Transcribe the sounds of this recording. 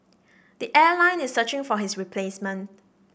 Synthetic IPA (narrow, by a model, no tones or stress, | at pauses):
d̥iʔɛlãɪ̃nɪsːət͡ʃɪ̃ŋfɔɦɪsɹipʰlesmə̃nt̚